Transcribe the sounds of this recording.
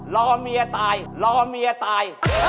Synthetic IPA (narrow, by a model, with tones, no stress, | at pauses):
lɔː˧mi˧ɐ˧t̪aː˧jlɔː˧˥mi˧ɐ˧t̪aː˧j